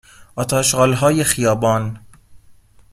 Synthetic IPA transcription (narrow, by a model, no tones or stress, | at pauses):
ʔɒːt̪ʰɒːʃɢɒːlɦɒːjexijɒːbɒːn